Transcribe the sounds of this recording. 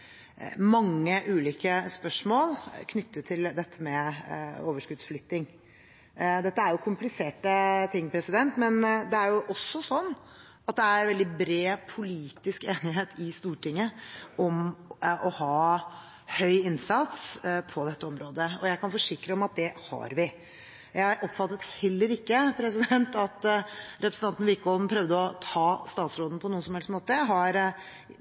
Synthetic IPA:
mɑŋːəʔʉːliːkəspœʂmoːlkʰnʏt̪ːət̪ʰːɪld̪ɛt̪ʰːəmɛ | oːʋəʂkʉd̪sflʏt̪ːɪŋ | d̪ɛt̪ːəæɾjʊkʰʊmplɪseːʈət̪ʰɪŋːpʰɾɛsɪd̪ɛnt̪mɛnd̪ɛæɾjʊʔɔsːɔsɔnː | ɑt̪̚d̪ɛæɾʋɛld̪ɪbɾeːpʰʊliːt̪ɪskeːnɪɦeːt̪ʰɪst̪uːʈɪŋːəʔɔmʔɔhɑː | hœʏɪnsɑt̪spʰɔd̪ɛt̪ːəɔmɾoːd̪əɔjæɪkɑnfɔʂɪkːɾəɔmɑt̪̚d̪ɛhɑ̰ɾʋɪ | jæɪɾʔɔpfɑt̪ːət̪hɛlːəɾɪkːəpʰɾɛsɪd̪ɛnt̪ɑt̪ɾɛpɾəsn̩t̪ɑnt̪n̩ʋɪkːɔln̩pʰɾœʋd̪əɔt̪ʰɑːst̪ɑːt̪sɾoːd̪n̩pʰɔnuːnsɔm̩ɛlstmoːt̪əɦɑɾ

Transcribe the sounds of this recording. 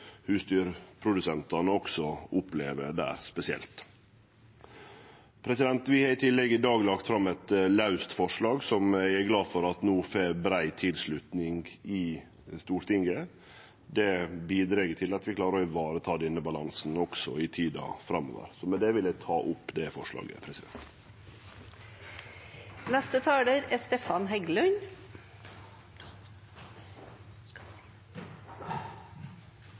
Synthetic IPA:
hʉːst̪yːɾpʰɾʊd̪ʉsɛnt̪ɑnəɔksɔʔʊpleːʋəd̪æ̰ːɾspɛsɪɛ̰lt̪ | pʰɾɛsɪd̪ɛnt̪ʋɪhɑɾɪt̪ʰɪlːɛɡɪd̪ɑːɡlɑkt̪fɾɑmːɛt̪lɑʉst̪fɔʂɭɑːɡsɔmæɪæɾɡlɑːd̪fɔɾɑt̪nuːfeːbɾæɪt̪ʰɪlslʉt̪nɪŋɡɪ | st̪uːɾt̪ɪŋɡə | d̪ɛbiːd̪ɾɛːɡətʰɪlɑt̪ʋɪkʰlɑːɾəɾɔʋɑːɾət̪ʰɑːd̪ɛnːəbɑlɑŋsn̩ɔksɔɪt̪ʰiːd̪ɑ̰fɾɑmːo̰ːʋə̰ɾsɔmɛnd̪ɛʋɪlæt̪ʰɑːʔʊpːd̪ɛfɔʂɭɑ̰ːɡə̰pʰɾɛsɪd̪ɛ̰nt̪ | næst̪ət̪ʰɑːləɾæst̪eːfɑnɦɛɡlœɲ

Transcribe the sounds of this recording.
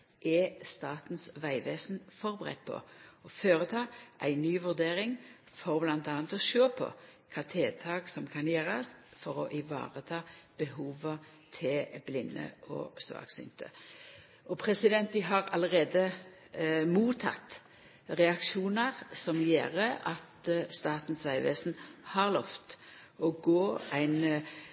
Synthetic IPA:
ʔɛst̪ɑːt̪nsʋæɪʋeːsnfɔʁbəʁɛ̰t̪̚ːpʰɔ̰ɔføːʁət̪ʰɑːʔæɪnyːʋʉʁd̪eːʁɪŋ | fɔʁblɑnt̪ɑːnt̪ɔʃøːpʰɔ̰kʰɑːt̪ʰeːt̪ʰɑːɡsɔmkʰɑnjeːʁɑsfɔʁɔʔɪʋɑ̰ːʁət̪ʰɑːb̥əɦuːʋə | t̪ʰɪlblɪnːə̰ʔɔ̰sʋɑ̰ːksʏ̰nt̪ə̰ | ʔɔpʰʁɛsɪd̪ɛnt̪d̪ɪɦɑʁɑləʁeːd̪ə | muːt̪ʰɑ̰t̪ | ʁɛɑkʃuːnəʁsɔmjḛːʁəʔɑt̪st̪ɑːt̪n̩sʋæɪʋḛːsn̩hɑʁlɔft̪ | ɔɡoːæɪn

